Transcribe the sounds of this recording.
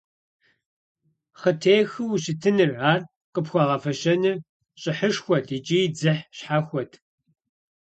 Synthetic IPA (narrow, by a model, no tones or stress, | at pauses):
χətʰeːjxɨwuɕɪtʰɨnɨrʕaːr | qəpxʷɑːʁɐfɐɕɐnɨ | ɕʼɪħəʂxʷɔtit͡ʃʼid͡zɨħɕħaxʷɔtʰ